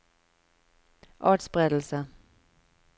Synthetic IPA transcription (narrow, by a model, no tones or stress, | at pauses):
ʔɑːʈsbʁeːd̪l̩sə